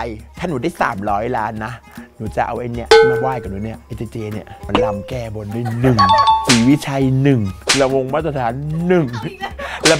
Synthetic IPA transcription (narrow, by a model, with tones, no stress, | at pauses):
jt̪ʰa˥˩nuː˩˦daː˥˩jsa̰ː˩˦mɾɔː˦˥jlaː˦˥nːa˦˥ | nuː˩˦t͡ɕa˨˩ʔa̰˧wʔe˧ni˥˩ə˧˩maː˥˩waː˥˩jka˨˩p̚nuː˩˦ni˦˥˩ɐʔe˧˦˥seː˧t͡ɕeː˧ni˥˩ma˧nla˧mkɛː˧˩bo˧nduː˥˩jnɯ˨˩ŋsiː˨˦wi˦˥˩t͡ɕʰa˧jnɯ˨˩ŋla˧wo˧ŋmaː˥˩t̪ɾa˧t̪ʰaː˩˦nːɯ˨˩ŋ | lɛ˦˧˥